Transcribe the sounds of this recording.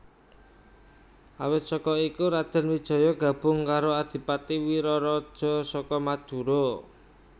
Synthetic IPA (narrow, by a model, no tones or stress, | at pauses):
ʔawɪt̪̚sɔkɔikuɾad̪̥ə̤nwid̥ʒ̥ɔ̤jɔɡ̥ä̤b̥ʊ̤ŋkaɾoad̪̥i̤pat̪iwiɾɔɾɔd̥ʒ̥ɔ̤sɔkɔmad̪̥ṳɾo